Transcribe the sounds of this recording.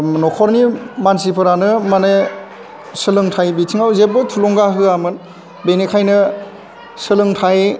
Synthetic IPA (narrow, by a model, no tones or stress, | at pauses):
nɔkʰɔɾnimansipʰɯɾanɯmanaj | sɯlɯŋtʰajbitʰiŋawzebɯtʰulɔŋɡaɦɯamɯn | benekʰajnɯ | sɯlɯŋtʰaj